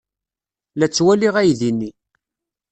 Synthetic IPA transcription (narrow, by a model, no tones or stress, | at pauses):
læt͡sːwæliʁæjðinːi